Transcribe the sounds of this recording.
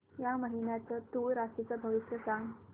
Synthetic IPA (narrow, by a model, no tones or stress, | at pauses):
jaməɦinjat͡sət̪uɾasit͡səbʱəʋiɕɾəsãŋɡ